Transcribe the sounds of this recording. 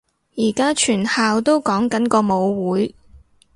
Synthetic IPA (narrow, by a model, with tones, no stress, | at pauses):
jiː˨˩kaː˥t͡ʃʰyː˨˩nhaː˨˧wt̪o˥wkɔː˨˥ŋkɐ˨˥nkɔː˧mo˨˧wwuː˨˥j